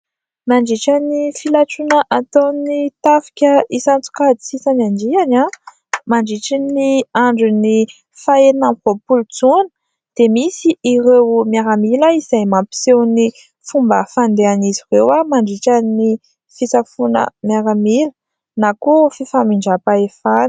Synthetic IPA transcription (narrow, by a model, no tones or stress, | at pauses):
maɳɖ͡ʐiʈ͡ʂanifilaʈ͡ʂunəʔat̪onit̪afi̥kʲəisant͡su̥kad̪isisanand͡ʒiana | maɳɖ͡ʐiʈ͡ʂiniaɳɖ͡ʐuni | faenamvopulut͡sunə̥ | d̪̥emisiirewmjaɾamilaizajmampi̥sewni | fumbəfand̪eanizirewamaɳɖ͡ʐiʈ͡ʂani | fisafunə̰mjaɾamilə | nakufifamiɳɖ͡ʐapaefan